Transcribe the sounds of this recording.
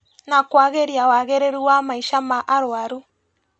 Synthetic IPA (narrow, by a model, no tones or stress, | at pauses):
nakwaɣeɾiawaɣeɾeɾuamaiʃamaʔaɾoaɾu